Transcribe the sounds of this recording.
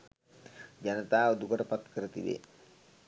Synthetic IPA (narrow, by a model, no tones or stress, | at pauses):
d͡ʒanət̪aːod̪ukəʈəpat̪kəɾət̪ḭʋbḛ